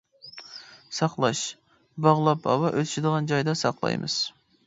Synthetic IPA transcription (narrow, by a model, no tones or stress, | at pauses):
sɑqlˠɑʃ | bɑʁlˠɑpɑ̰wɑʔølt͡ʃid̪əʁɑnd͡ʒɑjd̪ɑsɑqlˠɑ̰jmɨz̥